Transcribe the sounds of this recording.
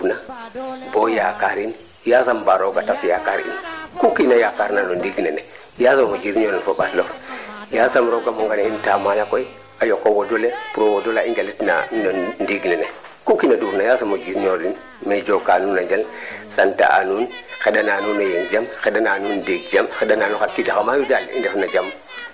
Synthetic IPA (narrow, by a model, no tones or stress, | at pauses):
unabojakaɾin | jasambaɾoɡatasjakaɾḭnkukinajakaɾnanondiɡnene | jasamod͡ʒiɾiɲoɾinfoɓatlofjasamɾoɡamoŋɡaneintamalakoj | ajokːowodolepuɾowodolaind͡ʒalitna̰nondiɡnene | kukinaduɾnajasamod͡ʒiɾnoɾin | med͡ʒokanunad͡ʒalsanta̰ʔa̰nunxeɗananunejend͡ʒamxedananundiɡd͡ʒamxeɗananukakːiɡakamajudalḭndefnad͡ʒam